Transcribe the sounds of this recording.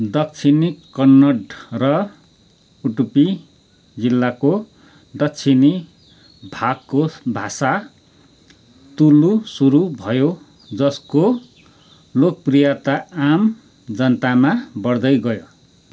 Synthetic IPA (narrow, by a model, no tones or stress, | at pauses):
d̪ʌk̚t͡sʰinikʌnːʌɖrʌ | uʈupi | d͡zilːako | d̪ʌk̚t͡sʰini | bʱakkobʱasa | t̪ulusuɾubʱʌjo | d͡zʌsko | lok̚prijat̪aam | d͡zʌnʌt̪amabʌrd̪ʌjɡʌjo